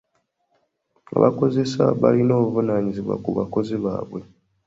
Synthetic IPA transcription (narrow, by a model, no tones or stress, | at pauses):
a̰βako̞ze̞sa̰βa̰linoːβuvunaːɲiziβwa̰kuβako̞ziβaːβwe̞